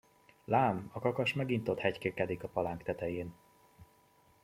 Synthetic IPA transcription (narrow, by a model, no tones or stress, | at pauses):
laːmɒkɒkɒʃmɛɡint̪ot̪hɛckeːkɛd̪ikɒpɒlaːŋkt̪ɛt̪ɛjeːn